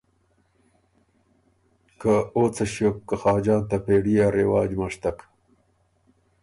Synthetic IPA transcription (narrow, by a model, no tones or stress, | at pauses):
kaoːt͡sɐɕokːɐxaːd͡ʑaːnt̪ɐpeːɽijaːɾewaːd͡ʑmɐʂt̪ɐk